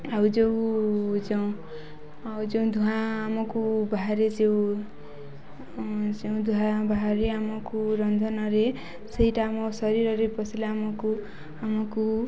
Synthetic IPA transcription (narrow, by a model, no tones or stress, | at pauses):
awd͡ʒewd͡ʒaw̃ | awd͡ʒʌw̃d̪ʱuɦãːmʌkubaɦaɾed͡ʒew̃ | d͡ʒeũd̪ʱuɦãbʱaɦaɾeamɔkuɾʌnd̪ʱʌnʌɾe | sejʈaːmɔsʌɾiɾʌɾepʌsilaamɔku | amɔku